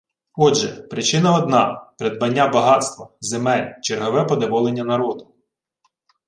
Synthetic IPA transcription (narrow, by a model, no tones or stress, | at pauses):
ɔdʒɛpɾɪt͡ʃɪnɐɔd̪nɑpeɾed̪̚bɐnʲːabɐɦɑt̪st̪ʋɐzemɛlʲt͡ʃerɦɔʋɛpɔd̪ɔʋɔlˠenʲːɐnɐɾɔd̪ʊ